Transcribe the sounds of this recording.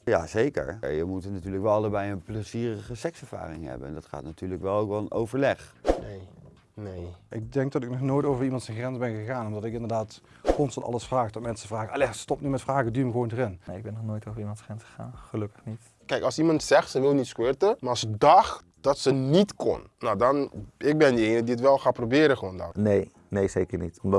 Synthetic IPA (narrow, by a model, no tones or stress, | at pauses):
ja̰ːzejkə̰ɹ̰jəmutnatyːɹləkʋɛlˠɑlˠəbɛjənpləziːrəχəsɛksɛɹva̰ːrɪŋɛ̰bə̰nɛ̰ndɑtχa̰ːtnatyːɹləkʋɛlˠowkʋɛlˠənʔowvəɹlɛχnej | nejʔɪɡ̚dɛŋk̚dɑtɪknɔχnoːjtowvəɹimɑntsɛnxrɛnzbɛnɣəɣaːnɔmdɑtɪkɪndəɹdaːt | kɔnstɑntɑ̰lˠəsfraːχdɔtmɛnsəvraːɣəʔɑlɛstɔpnymɛtfraːɣədyməɣəʋowndərɪnmaːɪɡ̚bɛnːɔχnoːjtowvəɹimɑ̃ntsχrɛnsχəχa̰ːnχəlɵkəχnit | kɛjkɑlˠsimɑntsɛχtsəʋɪlˠnitskwɪɹtəmaːlˠsədɑχt | d̥ɑtsənitkɔ̰nːawdɑnɪk̚bɛndəejnədiətʋɛlˠχaːprobɪːɾəχəoːndɔ̰nej | nejzejkəɹnitɔmd